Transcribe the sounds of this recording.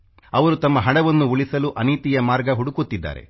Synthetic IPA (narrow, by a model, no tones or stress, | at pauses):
ɐʋɐɾut̪ɐmːɐɦɐɽɐʋɐnːuuɭisɐluʔɐniːt̪ijɐmaːɾɡɐɦuɽukut̪ːid̪ːa̰ːɾe̞̰